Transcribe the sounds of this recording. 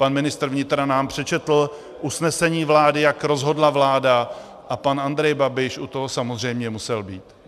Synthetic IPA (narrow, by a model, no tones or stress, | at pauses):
panmɪnɪst̪r̩vɲɪt̪ɾanaːmpr̝̥ɛt͡ʃɛt̪l̩ | ʔusnɛsɛɲiːvlaːdɪjakɾo̞zɦo̞dlavlaːda | ʔapanand̪ɾɛjbabɪʃʔut̪oɦosamozr̝ɛjmɲɛmusɛlbiːt̪